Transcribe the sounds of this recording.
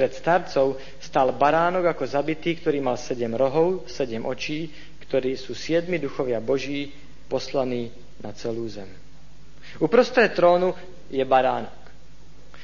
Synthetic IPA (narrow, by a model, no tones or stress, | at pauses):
ɾɛt̪st̪aɾt͡sɔʊ | st̪aːlbaɾaːnɔɡakɔzabit̪iːkt̪ɔɾiːmalsɛɟɛmɾɔɦɔʊsɛɟɛmʔɔt͡ʃiː | kt̪ɔɾiːsuːsɪɛd̪mid̪uxɔʋɪabɔʒiː | pɔslaniː | nat͡sɛluːzɛm | upɾɔst̪ɾɛt̪ɾɔːnu | jɛbaɾaːnɔk